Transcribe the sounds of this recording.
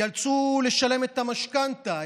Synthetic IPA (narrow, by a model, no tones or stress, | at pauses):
alt͡suleʃalemet̪ːamaʃkant̪a